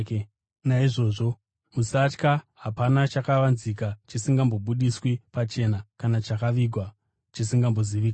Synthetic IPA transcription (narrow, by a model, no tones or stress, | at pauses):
naiʐo̞ːʐo̞ | musat͡ʃkaɦapanat͡ʃakaʋanzikat͡ʃisiŋɡambo̞ɓuɗiswipat͡ʃe̞ːnakanat͡ʃakaʋiɡʱwa | t͡ʃisiŋɡambo̞ziʋiːk